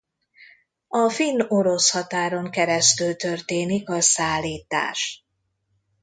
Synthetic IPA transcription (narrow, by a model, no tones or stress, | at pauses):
ɒfinːo̞ɾo̞shɒt̪aːɾo̞ŋkɛɾɛst̪ylt̪ørt̪eːnikɒsaːlːiːt̪a̰ːʃ